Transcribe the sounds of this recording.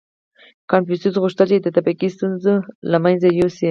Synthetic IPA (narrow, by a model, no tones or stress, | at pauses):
kɑnfusuzɣuʃt̪əlt͡ʃed̪ət̪apiqist̪unzolamajnzajosi